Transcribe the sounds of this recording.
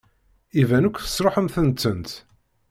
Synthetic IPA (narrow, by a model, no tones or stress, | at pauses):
ivænukʷːθə̥sˤɾoħəmθənt̪ːənt̪